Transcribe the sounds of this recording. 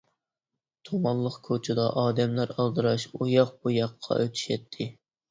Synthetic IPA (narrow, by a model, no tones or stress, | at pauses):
t̪ʰomɑnlˠəqkʰot͡ʃʰɪd̪ɑʔɑːd̪ɛmlæɾɑlˠd̪ɨɾɑʃujɑq̚bujɑqʰːɑ̰ʔøt̪ʰy̥ʃɛt̪ʰːɪ